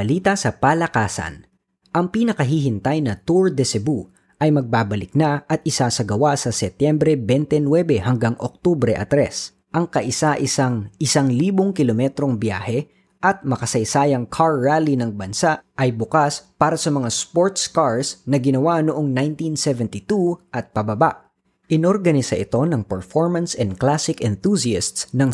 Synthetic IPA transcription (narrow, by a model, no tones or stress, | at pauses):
ɐliːt̪ɐsɐpalɐkaːsɐ̰n | ʔɐŋpiːnɐkɐɦiɦɪnt̪ɐjnɐt̪uɹd̪ɛsɛbu | ʔɐjmɐɡ̚baːbɐlɪk̚nɐʔɐt̪̚ʔɪsasɐɡɐwasɐsɛt̪jɛmbɾɛbɛnt̪ɛnwɛbɛhɐŋɡaŋʔo̰k̚t̪ubɾɛʔɐ̰t̪ɾɛs | ʔɐŋkɐʔɪsaʔɪsaŋʔɪsaŋliːboŋkɪlomɛt̪ɾo̞ŋbja̰ːhɛ | ʔɐt̪̚mɐkɐsɐjsaːjɐŋkʰaɹːaːlinɐŋbɐnsaʔʔɐjbʊkaspaːɾɐsɐmɐŋaspoɹt̪skaɹsnɐɡɪnɐwanoʔoŋnajnt̪insɛvɛnt̪it̪uʔɐt̪̚pɐbɐbaʔ | ʔɪnoɾɡɐnɪsɐʔɪt̪o̞nɐŋpɛɹfoɹmɐnsɛnd̪̚klasɪkɛnθusiast̪snɐŋ